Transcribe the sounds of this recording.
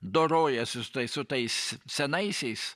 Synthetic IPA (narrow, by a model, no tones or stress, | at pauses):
d̪oɾoːjɛsʲɪsʊt̪ɐɪsʊt̪ɐɪssʲɛnɐɪsʲɛɪs